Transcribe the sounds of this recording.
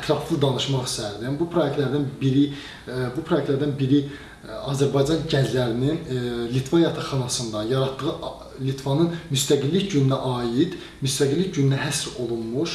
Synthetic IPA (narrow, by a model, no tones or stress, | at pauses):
t̪ʰɾɑflˠɯd̪ɑnɯʃmɑχisæɾd̪iænbupʰɾojek̚ʲt̪læɾd̪ænbiɾi | bupʰɾojekt̪læɾd̪ænbiɾi | ɑ̰zæɾbɑjd͡ʒɑnɟæzlæɾininlit̪ʰvɑjɑt̪ʰɑχɑnɑsɯnd̪ɑjɑɾɑt̪ːɯɣɯ | lit̪ʰvɑnɯnmyst̪æɡilːicɟynnæʔɑːjid̪̥ | myst̪æɡilːicɟynnæɦæsɾo̞lˠunmuʃ